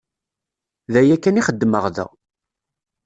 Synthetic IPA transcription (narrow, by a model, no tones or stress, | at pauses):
ðæjækːæniχəd̪ːməʁðə̰ʁ